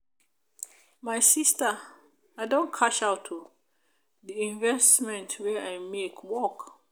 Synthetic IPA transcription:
maɪsista | aɪdõnkʰaʃaʊtʰːu | diĩɱvɛstmɛ̃ntʰwɛaɪmekʰwɔk

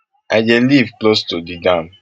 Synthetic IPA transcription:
ad͡ʒɛlivklostodidãm

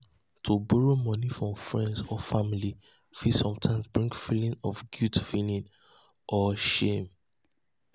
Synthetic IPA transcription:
tʰubɔɹomɔnifɹɔ̃mfɹɛ̃ndsɔfamili | fisɔ̃mtʰãɪ̃msbɹĩŋkfilĩnɔfɡjutfilĩn | ʔɔʃẽm

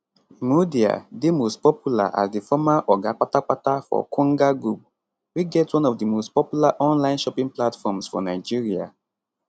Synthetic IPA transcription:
mudia̰demostpɔpjula̰ʔa̰sdifɔmaʔɔɡak͡patak͡patafɔ̰kʰɔ̃ŋɡaɡɹup̚ | wiɡɛtwɔ̃nɔvdimostpɔpjulaʔɔ̃nlãɪ̃nʃɔpĩŋplatfɔmsfɔ̰naɪd͡ʒiɹia̰

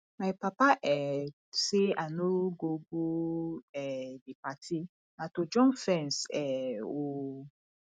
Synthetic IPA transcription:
mãpapaʔɛ | seanoɡoɡuɛdik͡patʰi | nãtod͡ʒɔ̃nfɛ̃nsɛwo

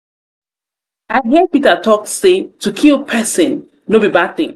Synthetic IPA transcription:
aɪɦiəpitətʰɔksetukʰilˠpʰɛsɪ̃n | nobibaθɪ̰̃ŋ

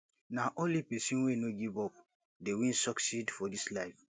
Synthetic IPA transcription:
naʔõnlipɛsĩnwenoɡivɔp̚ | dewĩnsɔksidfɔdislaɪf

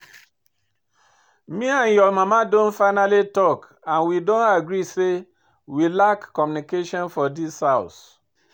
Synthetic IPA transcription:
miãnjɔmamadõnfaɪnalitɔk | ãnwidõnaɡɾise | wilakːɔmjunikeʃɔ̃nfɔdishaʊs

